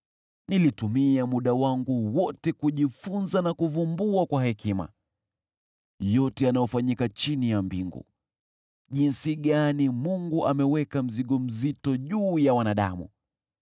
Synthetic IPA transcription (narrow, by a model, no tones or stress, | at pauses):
nilitumiamuɗawaŋɡuwɔtɛkuʄifunzanakuvumbuakwahɛkima̰ | jɔtɛanajɔfaɲikat͡ʃinijambiŋɡṵ | ʄinsiɠanimuŋɡuʔamɛwɛkam̩ziɠɔm̩zitɔʄuːjawanaɗa̰mṵ